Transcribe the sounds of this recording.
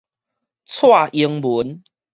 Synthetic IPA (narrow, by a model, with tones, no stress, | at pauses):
t͡sʰwa˥˨ʔi˧əŋbu˨˦n